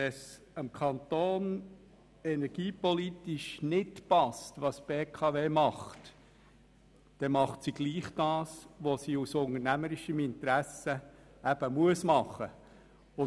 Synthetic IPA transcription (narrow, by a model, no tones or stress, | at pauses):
ɛs | əmkʰɑnt̪oːn | ɛnɛɾɡ̥iːpɔlitiʃnɪtpɑstʋɑsb̥eːkʰɑveːmɑχt | d̥ɛmɑχtsiɡ̥liːχd̥ɑːsʋosiusʊŋənæməɾɪʃəmɪnt̪ɾæsə | æb̥əmuəsmɑχə | ʊ